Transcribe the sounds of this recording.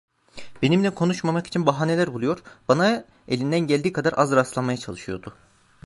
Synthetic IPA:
be̞nimlʲɛkʰo̞nuʃmamaki̥t͡ʃʰinbaɦaːnelʲæɾbulˠujo̞ɾbana | e̞lʲind̪ænɟælʲd̪iːkʰad̪aɾʔazɾaslˠamajat͡ʃʰalˠɯʃɯjo̞̰ɾd̪ʊ

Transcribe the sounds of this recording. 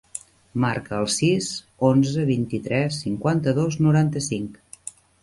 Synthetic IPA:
maɾkəəlˠsiz | onzəβint̪it̪ɾɛsːiŋkwant̪əðoznuɾant̪əsiŋk

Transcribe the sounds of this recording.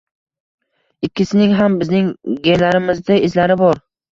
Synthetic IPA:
ɪkʲːɪsɪnɪŋɦambɪznɪŋɡʲelaɾɪmɪzd̪ɪɪzlaɾɪbɒɾ

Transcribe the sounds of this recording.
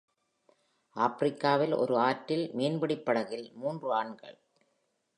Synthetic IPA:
ʔaːpɪɾɪkːaːʋɪlɔ̰ɾɯaːʈːɪlmeːnbɐɽɪpːɐɽɐɣɪlmuːndrɯaːɳɡɐ̰ɭ

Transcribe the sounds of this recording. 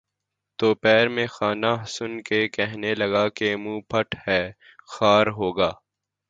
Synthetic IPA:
t̪oːpɛːɾmẽxaːnaɦsʊnkekɛɦnelɐɡaːkemũːpʰɐʈhɛː | xaːɾɦoːɡaː

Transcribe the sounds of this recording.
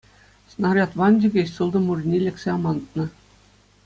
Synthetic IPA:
snɑrʲɑt̪ʋɑnʲd͡ʑʲĭɡʲeɕsɯlˠd̪ɤ̆murʲnʲilʲĕkʲsʲeɑmɑnt̪̚nɤ̆

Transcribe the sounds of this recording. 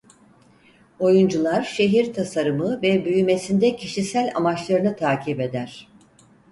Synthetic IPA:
o̞jund͡ʒulˠaɾʃe̞ɦiɾt̪ʰasaɾɯmɯvɛbyjyme̞sind̪ɛcʰiʃisælʲa̰mat͡ʃlˠaɾɯnɯt̪ʰaːcʰipe̞d̪æɾ̥

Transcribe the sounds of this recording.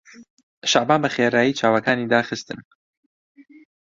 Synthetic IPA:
ʃaʕbaːnbɐxeːɾaːjiːt͡ʃʰaːwɐkaːniːd̪aːxɨst̪ɨn

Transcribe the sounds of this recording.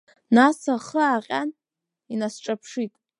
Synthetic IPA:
nasaχəaqʲʼan | inasʈ͡ʂʼapʰʂitʼ

